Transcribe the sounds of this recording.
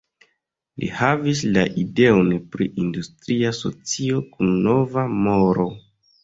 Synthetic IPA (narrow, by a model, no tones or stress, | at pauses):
lʔḭhavislaʔide̞onpɾiʔindustɾiaso̞̰t͡sio̞kunːo̞vamo̞ɾo̞